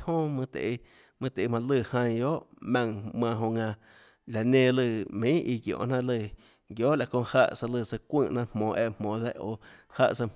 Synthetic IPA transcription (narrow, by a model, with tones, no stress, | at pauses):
hõ˦mɨ̃˧t̪ḛ˨e˧ | mɨ̃˧t̪e˨i˧mã˧lɨ˧˨hã˧j̃jo˦ʔmã˧ŋmã˧ɦõ˧ŋã˧ | la˨nẽ˧˨lɨ˧˨mĩ˦ʔi˧ɡjõ̰ː˨ʔnã˦lɨ˧˨ | ɡjo˦ʔla˨kõ˧˨ha˧ʔsa˧lɨ˧˨sa˧kʷə̃ː˦˧˨ʔnã˦ʔhmõː˨ʔe˧˨ʔmmõː˨d̪ɛ˦ʔo˧˨ha˦˧ʔsa˧